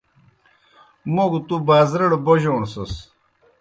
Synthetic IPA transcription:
moɡut̪ubaːzɾɐɽboʑoːnsus

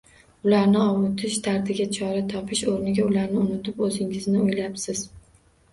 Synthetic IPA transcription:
ʊlaɾnɪɒmʊt̪ʰɪʃt̪ʰaɾt̪ʰɪɡʲat͡ʃʰɒɾat̪ʰɒpʰɪʃoɾnɪɡʲaʊlaɾnɪʊnɪt̪ɪpɵzɪŋɪznɪojlapsɪz̥

